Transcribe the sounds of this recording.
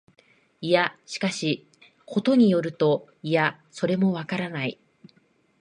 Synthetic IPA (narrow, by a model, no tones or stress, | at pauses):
ijaɕi̥kaɕi | kʰo̞t̪o̞ɲ̟ijo̞ɾɯ̟t̪o̞ | ija | so̞ɾe̞mo̞βakaɾanai